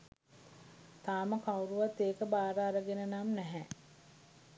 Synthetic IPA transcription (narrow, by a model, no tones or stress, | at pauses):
t̪aːməkawɾuʋat̪ːeːkəbaːɾəaɾəɡenənamnæɦɛ